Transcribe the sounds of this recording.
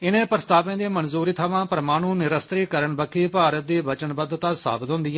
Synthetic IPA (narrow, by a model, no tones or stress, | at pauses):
ɪnẽːpɾəst̪aːpẽːd̪eːmənzuːɾiːt̪ʰəʋãːpəɾəmaːñũːnɪɾəst̪ɾiːkəɾəɳbəkʰiːpaːɾət̪̚d̪eːbət͡ʃənbəd̪t̪aːsa̰ːbət̪ɦʊ̃nd̪iːɛ